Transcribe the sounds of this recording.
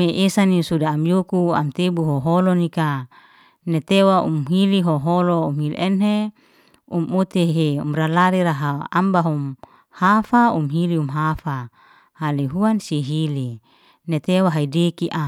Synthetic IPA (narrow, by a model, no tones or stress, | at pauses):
eʔesanisudaːmjokua̰mt̪ebuɦoɦolonika | net̪ewaṵmɦiliɦoɦoloumhilʔenɦe | umut̪eɦeṵmɾalaɾiɾaɦaa̰mbaɦum | hafaumɦiliumɦafa | haliɦuansiɦili | net̪ewaɦaidekiʔa